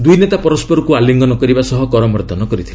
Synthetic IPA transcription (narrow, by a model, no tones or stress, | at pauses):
d̪ujnet̪apɔɾɔspɔɾɔkualiŋɡɔnɔkɔɾibasɔɦɔkɔɾɔmɔɾd̪ʱɔnɔkɔɾit̪ʰile